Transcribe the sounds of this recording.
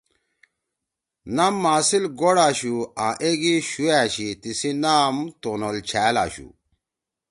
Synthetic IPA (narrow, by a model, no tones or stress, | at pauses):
namːaːsilɡoɽaːɕuãːʔeɡiɕuæːɕit̪isinaːmt̪onolt͡ɕʰæːla̰ːɕṵ